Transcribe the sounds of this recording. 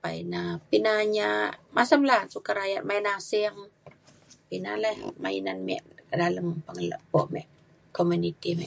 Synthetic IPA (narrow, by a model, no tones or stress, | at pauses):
painapinaɲamasəmlasukaɾajat̪̚mainasiəm | pinalahma̰inanmḭʔdaləmpaŋəla̰ʔpɔʔmɛʔ | komunit̪imɛʔ